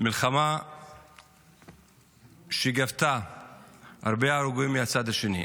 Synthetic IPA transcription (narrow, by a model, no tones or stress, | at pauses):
milχama | ʃeɡavt̪a | a̰ɾbeaːɾuɡuimːeat͡sad̪haʃenḭ